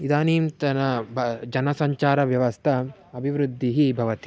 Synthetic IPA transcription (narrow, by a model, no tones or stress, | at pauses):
id̪aːniːmt̪ɐnɐbd͡ʒɐnɐsɐɲt͡ʃaːɾɐʋjɐʋɐst̪ʰɐ | ɐbʱiʋɾud̪ʱːiɦibʱɐʋɐt̪i̥